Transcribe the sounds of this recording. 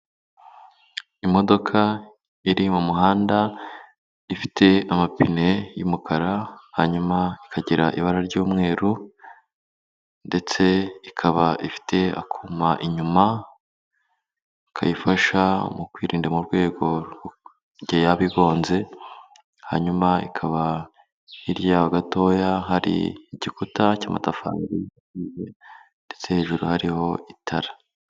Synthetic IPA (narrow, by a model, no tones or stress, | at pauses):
imo̞do̞kʰa | iɾimumuɦaːnda | ifi̥tʰe̞amapine̞jumukʰaɾahaɲumaikʰaɟiɾaʔiβaɾaɾɟuːmŋe̞ːɾu | nde̞t͡se̞ikʰaβaʔifi̥tʰe̞a̰kʰumaʔiɲuma | kʰa̰jifaʃamukwiːɾiːndemuɾɡwe̞ːɡo̞ | ɾɟejaβiɡo̞ːnze̞ | ha̰ɲumaikʰaβa | iɾjaaɡato̞jaɦaɾḭːɟikutacaːma̰tafa̰ːɾiakiːje | nde̞t͡se̞he̞ːʒuɾuhaɾiho̞itʰaɾḁ